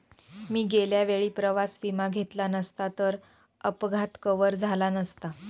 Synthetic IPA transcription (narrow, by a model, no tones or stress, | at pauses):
miːɡeljaʋeɭiːpɾəʋasʋimaɡʱet̪lanəst̪at̪əɾ | əpɡʱat̪kəʋəɾd͡zʱalanəst̪a